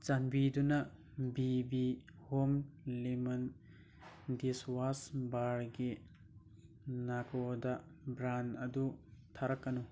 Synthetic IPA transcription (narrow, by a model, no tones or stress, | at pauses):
t͡ʃanbidunɐ | bibihomlimɐn | diswasbaɾɡi | nakʰodɐbɾanɐdutʰaɾakːɐnu